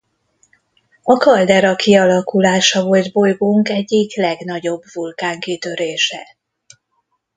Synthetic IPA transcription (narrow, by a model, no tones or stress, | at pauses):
ɒkɒld̪ɛɾɒkʰiɒlɒkulaːʃɒvo̞ld̪bo̞jɡoŋkɛɟːiklɛɡnɒɟo̞bvulkaːŋkit̪ø̞ɾeːʃɛ